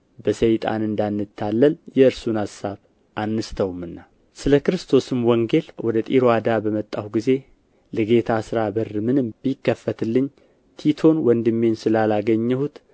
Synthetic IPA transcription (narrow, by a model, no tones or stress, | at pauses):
bəsəjt̪ʼa̰nɨnd̪anːɨt̪ʰːalːəljɛɨɾsunasaβ | ʔanːɨst̪ʰəwumɨnːa | sɨləkɨɾɨst̪ʰo̞sɨmwɔŋɡe̞lwɔd̪ət̪ʼiɾoad̪abəmət̪ʼːawɡize̞ | lɨɡe̞t̪ʰasɨɾabərːɨmɨnɨmb̥jkːəfːət̪ʰɨlːɨɲː | t̪ʰit̪ʰo̞nwɔnd̪ɨmːensɨlalaɡəɲːɛhut̪